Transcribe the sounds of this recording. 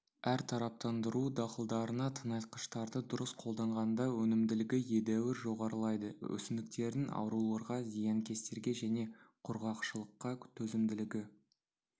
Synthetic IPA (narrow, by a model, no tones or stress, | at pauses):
æɾt̪ʰɑɾɑp̚t̪ɑnd̪əɾud̪ɑqəlˠd̪ɑɾənɑt̪ʰənɑjt̪̚qə̥ʃt̪ɑɾd̪əd̪ʊɾəsqʰo̞lˠd̪ɑɴʁɑnd̪ɑwɵnɪmd̪ɪlɪɡʲɪje̞d̪æwɪɾʒo̞ʁɑɾəlˠɑjd̪əɵ̰sɪnɪk̚t̪e̞ɾɪnɑ̰wɾulˠɑɾʁɑzijɑŋkʲe̞st̪e̞ɾɡʲe̞ʒæne̞qʰʊɾʁɑqʃəlˠəqːɑt̪ʰɵzɪmd̪ɪlɪɡʲɪ